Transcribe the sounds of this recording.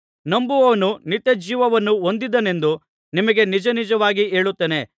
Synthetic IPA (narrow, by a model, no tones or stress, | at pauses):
nɐmbuʋɐʋɐnunit̪ːed͡ʒiːʋɐʋɐnːuond̪id̪ɐne̞nd̪u | nimɐɡe̞nid͡ʒɐnid͡ʒɐʋaːɡie̞ːɭut̪ːene̞